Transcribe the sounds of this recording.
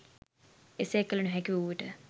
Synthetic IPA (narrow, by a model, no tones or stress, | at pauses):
eseːkːəlunuɦækiʋuʋəʈə